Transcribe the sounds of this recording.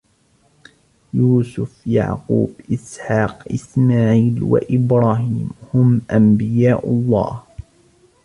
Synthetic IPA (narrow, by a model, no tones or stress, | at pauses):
juːsʊfja̰ʕqṵːbʔɪsħɑːqʔɪsmaːʕiːlwa̰ʔɪbɾˤɑːɦiːmhʊmʔambɪjaːʔʊlˤːɑ̰ːh